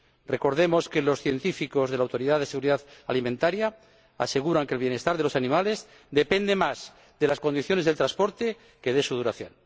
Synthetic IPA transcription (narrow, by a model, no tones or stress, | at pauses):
re̞ko̞ɾðe̞mo̞ske̞lo̞sθje̞nt̪ifiko̞zð̞e̞lawt̪o̞ɾiðaðeseɣuɾiðaðalimẽnt̪aɾja | ase̞ɣuɾaŋkelβje̞ne̞st̪aɾð̞e̞lo̞sanĩmale̞z | d̪e̞pe̞nd̪e̞maz | ðelasko̞nd̪iθjo̞ne̞zðelt̪ɾaspo̞ɾt̪e̞ | ke̞ðe̞suð̞uɾaθjo̞̰n